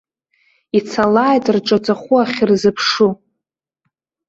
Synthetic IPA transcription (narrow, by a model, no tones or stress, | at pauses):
it͡sʰalaːjtʼrʈ͡ʂʼat͡sʼaχʷuaχʲrzɨpʰʂu